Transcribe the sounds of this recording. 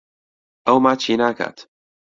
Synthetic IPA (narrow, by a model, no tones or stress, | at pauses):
awmaːt͡ʃiːnaːka̰t̪